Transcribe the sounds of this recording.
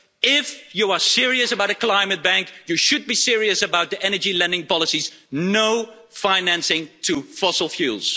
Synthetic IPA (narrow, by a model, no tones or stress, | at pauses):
ɪfjuəsɪɹiɨsəbaʊɾɨkʰl̥ãɪ̃mɨt̚b̥æ̃ŋkjɨʃɨd̚bisɪɹiɨsɨbaʊt̪̚ðiʔɛnə˞d͡ʒilɛ̃ndɪ̃ŋpɑlˠəsiznoʊ | fãɪ̃næ̃nsɪ̃ŋtʰɨfɔsl̩ˠfjṵːlˠz̥